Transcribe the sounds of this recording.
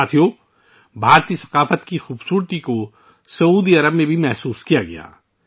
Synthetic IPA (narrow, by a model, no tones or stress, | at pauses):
aːt̪ʰijo | bʱaːɾt̪isɐ̥qaːfət̪kixuːbsuːɾt̪iko | sɐuːd̪iɐɾəbmẽbʱimɛɦsuːskijaɡɐ̰ja̰ː